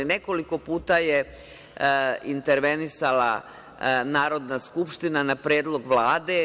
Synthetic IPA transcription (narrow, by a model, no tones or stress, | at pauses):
ine̞ko̞liko̞puːt̪aje | int̪eɾʋe̞nisala̰ | naːɾo̞d̪naskupʃt̪inanapɾeːd̪lˠo̞ɡʋlaːd̪e̞